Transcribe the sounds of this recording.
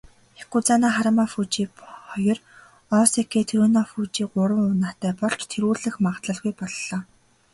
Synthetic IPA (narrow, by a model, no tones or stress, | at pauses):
ekut͡sanaːχaɾəmafuːt͡ɕiːχɔjɞ̆r | ɔːsekeːt̪ʰeɾoːnaːfuːt͡ɕiːɢʊɾə̆ŋʊnaːt̪æːpɔɮt͡ɕt̪ʰeɾuːɮɘ̆xmaʁt̪ɮə̆ɮɣujpɔɮːɔː